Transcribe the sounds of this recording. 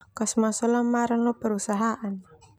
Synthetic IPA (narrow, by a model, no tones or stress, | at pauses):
kasmasɔlamaɾanlɔpəɾusaɦaʔan